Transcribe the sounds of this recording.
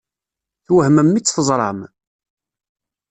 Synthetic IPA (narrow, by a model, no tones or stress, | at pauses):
θwəhməmːit͡sːθəzˤɾˤɑm